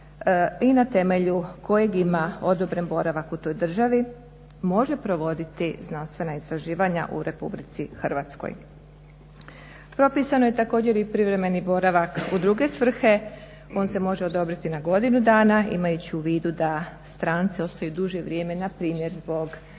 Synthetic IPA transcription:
inat̪e̞me̞ʎukʰo̞jeɡimao̞d̪o̞bɾenbo̞ɾaʋakut̪o̞ːjd̪r̩ʒaʋi | mo̞ʒe̞pɾo̞ʋo̞d̪it̪iznanst̪ʋe̞naist̪ɾaʒiːʋaɲa̰ʔṵɾʔe̞pṵblit̪sixr̩ʋat̪sko̰j | pɾo̞piːsano̞je̞t̪ako̞ːd͡ʑe̞ɾipɾiʋɾe̞me̞nibo̞ɾaʋakud̪ɾuɡe̞sʋr̩xe̞ | o̞ːnse̞mo̞ʒe̞o̞d̪o̞bɾit̪inaɡo̞d̪inud̪aːnaḭmajut͡ɕiuʋiːd̪ud̪ast̪ɾaːnt̪seo̞st̪ajud̪uʒjeʋɾje̞ːme̞napɾiːmje̞ɾzbo̞ɡ

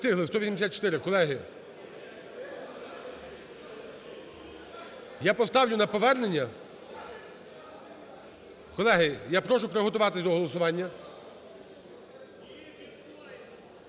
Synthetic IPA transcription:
t̪ɪɦlˠɪst̪ɔʋʲisʲimd̪esʲat̪t͡ʃːɔ̥t̪ɪɾɪkɔlˠɛɦɪ | japɔst̪ɑwlʲʊnɐpɔʋɛrnenʲːɐ | kɔlˠɛɦɪjapɾɔʃʊpɾeɦɔt̪ʊʋɑt̪ɪsʲd̪ɔɦɔlˠɔsʊʋɑnʲːɐ

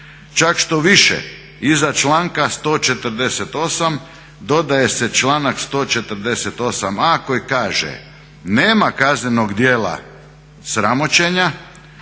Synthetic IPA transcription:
t͡ʃakʃt̪o̞ʋiʃḛ | izat͡ʃlaːŋkast̪o̞ːt͡ʃe̞t̪əɾd̪eset̪o̞sam | d̪o̞d̪aje̞set͡ʃlˠaːnakst̪o̞ːt͡ʃe̞t̪əɾd̪eset̪o̞samakojikaːʒḛ | neːmakaznenoɡd̪jeːla̰ | sɾamo̞t͡ɕe̞ɲa

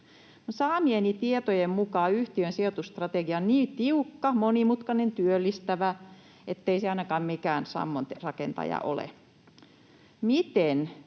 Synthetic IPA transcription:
nosɑːmienit̪iet̪ojemmukɑːyht̪iønsiot̪usst̪rɑt̪eɡiɑonniːt̪iukːɑmonimut̪kɑnent̪yølːist̪æʋæ | et̪ːeiseɑinɑkɑːmmikæːnsɑ̰mːont̪rɑkḛnt̪ɑ̰jɑ̰ʔo̰lḛ | mit̪en

